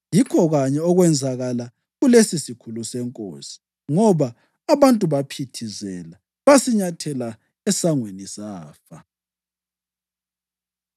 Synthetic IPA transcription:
jikʰɔɣaɲɛɔɣwɛnd͡zʱaɣala | ɣulesisikʰulusɛŋkʼo̰ːsi̥ | ŋɔβaː | βantʼuβapʰitʰizɛla | βasiɲatʰɛla | ɛsaŋwenisaːfa

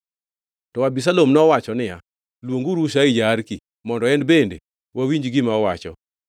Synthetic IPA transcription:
tɔabis̬alomnɔwat͡ʃɔnɪja̰ | lwoŋɡuɾuʃaɪd͡ʒaːɾki | mɔndɔɛnbendḛ | wawiɲd͡ʒɡɪmaɔwat͡ʃɔ̰

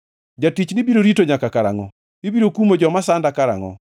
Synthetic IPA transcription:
d͡ʒatit͡ʃnɪbiɾoɾitoɲakakaɾa̰ŋɔ̰ | ibiɾokumod͡ʒɔmasandakaɾa̰ŋɔ̰

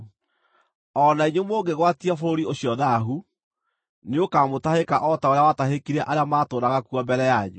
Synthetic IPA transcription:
ɔnaiɲomoːɡeɣwatiafoɾoɾioɕiɔðaɦu | neokamotahekaʔɔtaoɾeawataɦekiɾɛʔaɾeamaːtoːdaɣakwɔbɛɾɛjaɲu

